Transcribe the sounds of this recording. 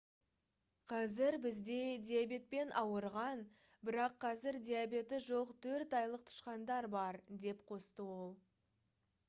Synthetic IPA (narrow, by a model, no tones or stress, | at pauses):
qʰɑzɪɾbɪzd̪e̞d̪ʲijabʲe̞t̪̚pe̞nʔɑwəɾʁɑn | bɪɾɑqʰːɑzɪɾd̪ʲijabe̞t̪ɪʒo̞qt̪ʰɵɾt̪ɑjlˠəq̚t̪ʰʊ̥ʃqɑnd̪ɑɾbɑɾd̪e̞pqʰo̞st̪əwo̞lˠ